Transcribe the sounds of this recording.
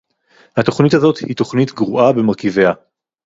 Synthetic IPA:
hat̪o̞χnithazo̞thit̪o̞χnit̪ɡʁuʔabe̞maʁkivea

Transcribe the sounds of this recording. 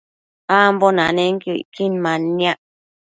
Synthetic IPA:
ambonãnẽŋkuḭkinmãniaʔ

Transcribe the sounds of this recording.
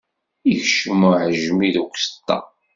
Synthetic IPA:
içʃəməʕəʒmiðukʷsə̥t̪ːɑ̰

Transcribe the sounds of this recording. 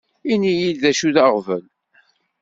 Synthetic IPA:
inijilðæʃuðaʁvən

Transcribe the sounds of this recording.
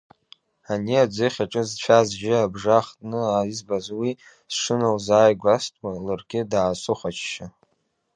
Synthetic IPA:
aniad͡zɨχʲaʈ͡ʂʼɨzt͡ʃʷʰazʒʲɪabʐaχtʼnɨaizbazwi | sʂɨnɨlzaːjɡʷastʼwalɨrɡʲɪdaːsʼʊχʷat͡ʃʰʃa

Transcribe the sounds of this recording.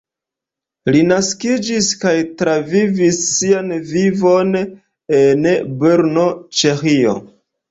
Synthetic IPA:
linaskid͡ʒiskajtɾavivisːianvivo̞n | enbeɾno̞t͡ʃe̞xio̞̰

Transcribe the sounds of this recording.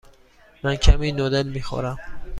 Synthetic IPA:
mankʰaminɔd̪elmixɔ̰ɾam

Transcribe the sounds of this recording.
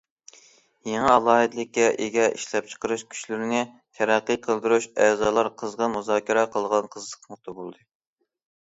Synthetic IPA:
jeŋɨɑlˠɑːɦɨd̪lɪk̚ʲːɛʔeɡʲɛʔḭʃlɛp̚t͡ʃʰə̥qəɾɨʃkʲʰy̥ʃlyɾɪnɪ | t̪ʰɛɾɑqːɨjqʰəlˠd̪ɨɾuʃɛːzɑːlˠɑɾqʰəzʁɑmuzɑːkʲʰiɾqʰəlˠʁɑnqʰəzlˠəqʰmʊχ̚t̪ɑbolˠd̪ɨ

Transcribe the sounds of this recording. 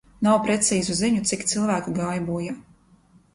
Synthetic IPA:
nawpɾɛt̪siːzuziɲut̪sikt̪silˠvæːkuɡajbuːja

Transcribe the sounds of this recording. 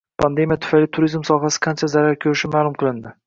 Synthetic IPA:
pʰand̪e̞mijat̪ʰʊ̥fajlɪt̪ʰʊɾizmsɒɦasɪ̥qʰɑnt͡ʃʰazaɾaɾkʲʰɵɾɪʃɪmaːlˠʊmqʰɨlˠɪnd̪ɪ

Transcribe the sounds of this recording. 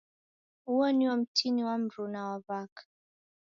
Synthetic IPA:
uɔniwɔm̩tʰiniwam̩ɾunawaβakḁ

